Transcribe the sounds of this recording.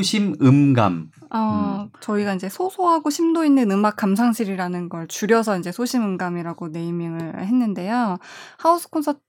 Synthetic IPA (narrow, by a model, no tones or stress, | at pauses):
ɕʰimɯmɡa̰m | ʌt͡ɕʌiɡaind͡ʑe̞sʰosʰoɦaɡoɕʰimdoinːɯnɯmak͈̚amsʰaŋɕʰiɾiɾanɯnɡʌɭt͡ɕuɾjʌsʰʌind͡ʑe̞sʰoɕʰimɯmɡamiɾaɡone̞imjiŋɯɭhe̞nːɯnde̞johausʰɯ̥kʰʌnsʰʌt